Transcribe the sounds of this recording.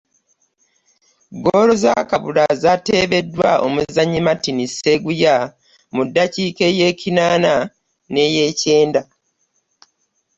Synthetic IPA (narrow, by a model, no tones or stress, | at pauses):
ɡoːlo̞za̰kaβulazate̞ːβe̞dːwaʔo̞̰muzaɲːimatiniseɡuja | mudːaciːke̞je̞ːcinaːna | ne̞je̞ːce̞ːnda